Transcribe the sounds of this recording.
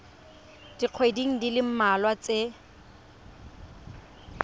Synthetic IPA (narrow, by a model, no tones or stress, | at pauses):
d̥iq͡χʰwediŋ̩dilɪm̩malwat͡se